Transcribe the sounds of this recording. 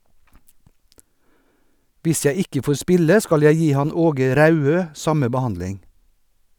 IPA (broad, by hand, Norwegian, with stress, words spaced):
ˈʋɪs ˈjæɪ ˈɪkə ˈfoːɾ ˈspɪlə ˈskɑl ˈjæɪ ˈjiː ˈhɑn ˈoːɡə ˈɾɑʉˌøː ˈsɑmə bəˈhɑndlɪŋ